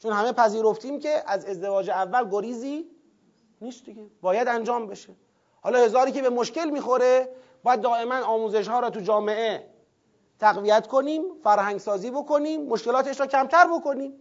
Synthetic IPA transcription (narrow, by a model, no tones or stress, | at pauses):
t͡ʃʰonhæme̞pʰæziːɾoft̪ʰiːmce̞ʔæze̞zd̪e̞vɒːd͡ʒeævːælɡoɾiːziː | niːst̪d̪iɡebɒːjæd̪ænd͡ʒɒːmbe̞ʃe | hɒːlɒːhe̞zɒːɾiːkʲe̞be̞moʃce̞lmiːxo̞ɾe | b̥ɒːjæd̪̚ːɒːʔe̞mænɒːmuːze̞ʃhɒːɾɒːt̪ud͡ʒɒːme̞ʔe | t̪ʰæɣvijæt̪kʰo̞niːmfæɾhæŋɡsɒːziːbo̞kʰo̞niːmːoʃkelɒːt̪ʰe̞ʃɾɒːcʰæmt̪ʰæɾbo̞ko̞niːm